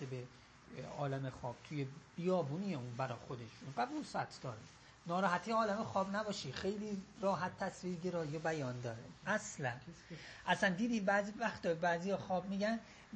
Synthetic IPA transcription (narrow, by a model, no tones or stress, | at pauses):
ebe | ɒ̰ːlæmexɒːb̥̚t̪ʰujeb̥ijɒːbuːniːjeunbæɾɒ̰xod̪e̞ʃinɡæd̪usæ̰t̪ʰd̪ɒːɾe | nɒːɾɒːɦæt̪ʰijɒːlæmexɒːbnæbɒːʃixejliːɾɒːɦæt̪ʰːæsviːɾɟeɾɒːjobæjɒːnd̪ɒːɾḛæslænʔæsænd̪iːd̪iːmbæːzivæxt̪ɒbæːzijɒːxɒːbmiːɟæn